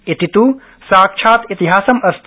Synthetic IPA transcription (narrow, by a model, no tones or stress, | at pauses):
it̪it̪uː | saːkʃʰaːt̪it̪iɦaːsɐmɐst̪